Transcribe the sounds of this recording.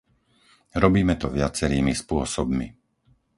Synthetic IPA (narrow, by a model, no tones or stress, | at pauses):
ɾɔbiːmɛt̪ɔʋɪat͡sɛɾiːmispʊɔsɔbmi